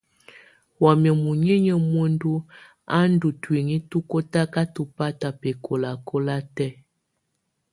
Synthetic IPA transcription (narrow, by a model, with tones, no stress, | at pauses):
wa˨mjə˨mu˨ɲe˦ɲə˨mwo˦n˦du˦ | a˦n̩˦du˨twe˨ŋi˦tu˦ko˦ta˦ka˦tu˨pa˦ta˨pe˨kʰo˨la˨kʰo˦la˦tɛ˦˨